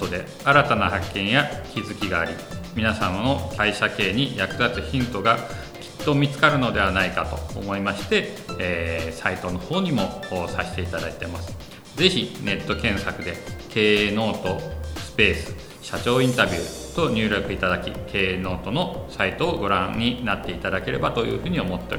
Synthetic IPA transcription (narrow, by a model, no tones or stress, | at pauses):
od̪e̞̰ | aɾat̪anahakːẽ̞ɰ̃jakʲizɨkʲiɡaːɾʲi | mʲinasãnːokaiɕake̞ːɲ̟ijakɯ̟d̪at͡sɨçĩnt̪o̞ɡa | kʲi̥t̪ːo̞mʲit͡sɨ̥kaɾɯ̟no̞d̪e̞βanaikat̪o̞̰ːmo̞imaɕi̥t̪e̞ː | sait̪o̞no̞ho̞ːɲ̟imo̞saɕi̥t̪e̞it̪ad̪ait̪e̞masɨ̥ | ze̞çine̞t̪ːo̞kẽ̞ɰ̃sakɯ̟d̪e̞ke̞ːno̞ːt̪o̞sɨ̥pe̞ːsɨ̥ | ɕat͡ɕo̞ːĩnt̪abʲɯːt̪o̞ɲ̟ʲɨːɾʲo̞kɯ̟it̪ad̪akʲḭkʰe̞ːno̞ːt̪o̞no̞sait̪o̞ːɡo̞ɾã̰ɲ̟ːinat̪ːe̞it̪ad̪ake̞ɾe̞̰bat̪o̞jɯ̟̰ːɸɯ̟ːɲ̟io̞mo̞t̪ːeo̰ɾ